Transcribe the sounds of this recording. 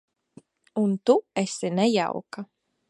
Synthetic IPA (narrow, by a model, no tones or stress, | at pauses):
unt̪uɛsʲinɛja̰wka